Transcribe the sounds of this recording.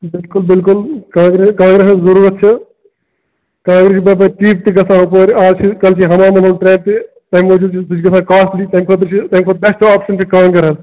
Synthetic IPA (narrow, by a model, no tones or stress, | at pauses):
bɪlkʊlbɪlkʊlkãːɡɾeskãːŋɡɾeszɐɾuːɾɐt̪̚t͡ʃʰi | kãːŋɡɾesibɐbɐʈiːp̚t̪iɡɐsʰãːpoːɾaːzt͡ʃʰikɐlt͡ʃʰiɦɐmaːmɐnɐːnʈɾẽːp̚t̪i | t̪ɐɦmoːd͡ʒut͡ʃʰisut͡ʃʰɡɐsãːkaːsʈlit̪ɐmkʰot̪̬ɾt͡ʃʰit̪ɐɦmkʰot̪̚bɛsʈaːpʃɐnt͡ʃʰikaːmkɐɾɐl